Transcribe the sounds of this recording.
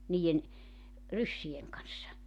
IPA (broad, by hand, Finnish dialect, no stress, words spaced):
niːjen rysːieŋ kɑnsːɑ